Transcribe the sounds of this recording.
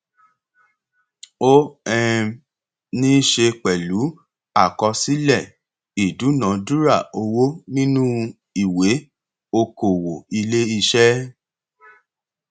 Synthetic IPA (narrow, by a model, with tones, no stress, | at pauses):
o˦ɛ˦˧ | nĩ˦ʃe˧k͡pɛ˨lu˨˦ | a˦˨kɔ˧si˦lɛ˦˨ | i˨du˨˦nã˨˦du˦ɾa˦˨o˧wo˦nĩ˦nũ˦ | i˦˨we˨˦ | o˧ko˨wo˨i˧le˦i˧ʃɛ˦